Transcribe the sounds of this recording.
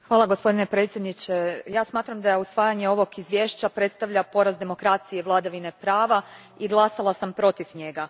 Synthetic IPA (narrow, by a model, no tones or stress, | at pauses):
xʋaːlˠaɡo̞spo̞d̪ine̞pɾe̞t̪sʲje̞d̪nit͡ɕejaːsmaːt̪ɾamd̪ajusʋaːjaɲe̞o̞ʋo̞kizʋje̞ːʃt͡ɕapɾe̞t̪st̪aʋʎapo̞ɾazd̪e̞mo̞kɾat̪sije̞ʋlˠad̪aʋine̞pɾaːʋa | iɡlˠasalˠasampɾo̞t̪ifɲe̞ɡa